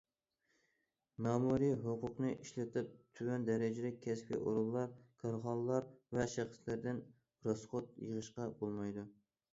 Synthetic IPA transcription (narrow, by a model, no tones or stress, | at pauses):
mɑːmuɾiɦoqʊqnɨʔiʃlɛt̪ʰɪp̚t̪ʰywɛnd̪æɾɪd͡ʒɪd̪ɛkʲʰɛspḭʔo̰ɾulˠːɑɾkʰɑɾʁɑnlˠɑɾvɛʃæχə̥slæɾd̪ɪn | ɾosχot̪̚jəʁəʃqɑbolˠmɑjd̪u